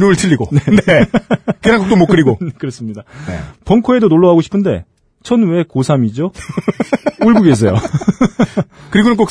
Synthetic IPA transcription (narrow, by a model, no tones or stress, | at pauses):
umɯɭtʰɯʎːiɡonenekenaŋkok̚t͈omokk͈ɯɾiɡonekɯɾʌs͈ɯmɲidaepʌŋkʰoe̞donoɭːoɦaɡoɕʰi̥pʰɯnde̞̰ | t͡ɕʰʌnwe̞kosʰamid͡ʑo | uɭɡuɡes̬ʰejo̰ | kɯɾiɡonɯnk̬͈ok̚